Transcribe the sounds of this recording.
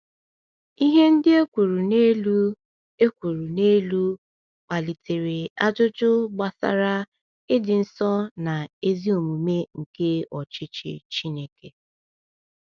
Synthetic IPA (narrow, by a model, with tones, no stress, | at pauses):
i˦ɦe˦n̩˦dɪ˦e˦kʷu˨ɾu˨ne˦lu˦ | e˦kʷu˨ɾu˨ne˦lu˦ | k͡pa˨li˨te˨ɾe˨a˦d͡ʒʊ˦t͡ʃʊ˦ɡ͡ba˨sa̰˦ɾa˦ | ɪ˦dɪ˨n̩˨sɔ˦na˨e˦zi˦o˨mu˨me˦ŋ̩˨ke˦ɔ˨t͡ʃɪ˦t͡ʃɪ̰˨t͡ʃi˦ne˦ke˨